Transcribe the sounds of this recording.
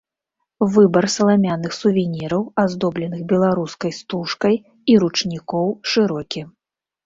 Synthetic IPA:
vɨbɐrsɐlˠamʲanɨxsuvʲɛnʲiɾɐwazd̪ɔblʲɛnɨxbʲɛlˠaɾuskɐjst̪uʂkɐj | iɾut͡ʂnʲikɔwʂɨɾɔkʲi

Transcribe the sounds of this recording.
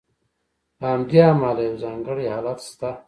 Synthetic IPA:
laamd̪iamalajawzaːŋɡəɽihaːlat̪st̪a

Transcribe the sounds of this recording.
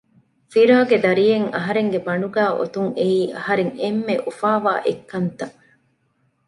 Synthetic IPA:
fiɾaːɡed̪ɐɾijeŋɐɦɐɾeŋɡebɐɳuɡæːʔo̰t̪uŋeiːʔɐhɐɾeŋemːeʔufaːʋa̰ːʔekːɐnt̪ɐ

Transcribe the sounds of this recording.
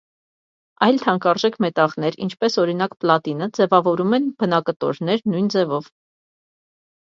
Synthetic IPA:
ɑjlt̪ʰɑŋkɑɾʒɛkʰmɛt̪ɑʁnɛɾḭnt͡ʃʰpɛsɔɾinɑkplɑt̪inəd͡zɛvɑvɔɾumɛnb̥ənɑkət̪ɔ̰ɾnɛɾnujnd͡zɛvɔv

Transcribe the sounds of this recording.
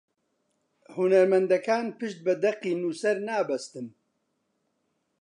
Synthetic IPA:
hunɐɾmɐnd̪ɐkaːnpɨʃt̪̚bɐd̪ɐqːiːnuːsɐɾnaːbɐst̪ɨn

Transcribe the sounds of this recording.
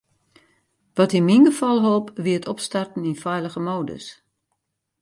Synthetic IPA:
ʋɔtinminɡəfɔlˠɦoːpʋiətʰɔpstartn̩infɛjləɣəmoːdə̰s

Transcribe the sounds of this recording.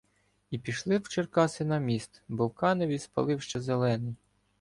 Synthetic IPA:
ipʲiʃlˠɪwt͡ʃerkɑsɪnɐmʲist̪bɔwkɑnɪʋʲispɐ̰lˠɪwʃt͡ʃɛzelˠɛnɪj

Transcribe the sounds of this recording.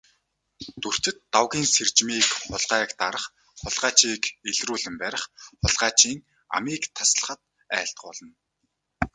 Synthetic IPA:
t̪ɵr̥t͡ɕɪ̆t̪ːawɣʲiːnsert͡ɕmiːkχʊɮɢaːkt̪aɾə̆χ | χʊɮʁaːt͡ɕiːkeɮruːɮɘ̆mpæɾʲɪ̆χχʊɮʁaːt͡ɕiːŋ | a̰miːkt̪ʰas̆ɮə̆χə̆t̪̚ | æ̰ːɬt̪̚ɢʊːɮə̆n

